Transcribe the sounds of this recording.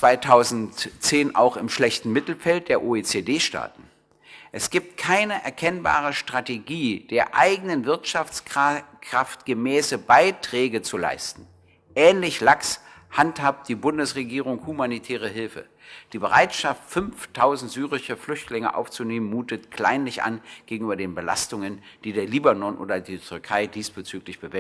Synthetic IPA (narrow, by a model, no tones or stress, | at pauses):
t͡sv̥aɪtʰaʊzn̩tt͡seːnʔa̰ʊxɪmʃlɛçtn̩mɪtl̩fɛlt̚d̥eːɐʔoːeːt͡sedeːʃta̰ːtn̩ | ʔɛsɡ̥iːp̚tkʰaɪnəʔɛɐkʰɛnba̰ːʁ̞əʃtʁ̥ateɡiːd̥eːɐʔa̰ɪɡənənvɪɐtʃaft͡skkʁ̥aftɡ̥əmɛːsəbaɪtʁ̥ɛːɡət͡sula̰ɪstn̩ | ʔɛːnlɪçlakshanthap̚t̚d̥iːbʊndəsʁeɡiːʁ̞ʊŋhumanitʰɛːʁ̞əɦɪlfə̰ | d̥iːbəʁaɪtʃaftfʏnftʰaʊzn̩tz̥yːʁɪʃəflʏçtlɪŋə̰ʔa̰ʊft͡suneːmənmuːtətkʰl̥a̰ɪnlɪçʔa̰nɡ̥eːɡŋ̩yːbɐdeːnbəla̰stʊŋənd̥iːdeːɐliːbanɔnʔo̰ːdɐdiːtʰʏʁkʰaɪdiːsb̥ət͡syːklɪçb̥əvɛ